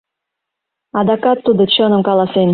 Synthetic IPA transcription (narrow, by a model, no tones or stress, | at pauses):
ɑd̪ɑkɑt̪ːud̪ɤ̆t͡ɕɤ̆nɤ̆mkɑlˠɑsen